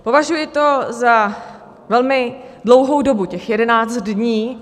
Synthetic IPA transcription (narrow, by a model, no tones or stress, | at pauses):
po̞vaʒujɪt̪o̞za | vɛlmɪdlowɦowdo̞bucɛxjɛdɛnaːt͡st̪dɲiː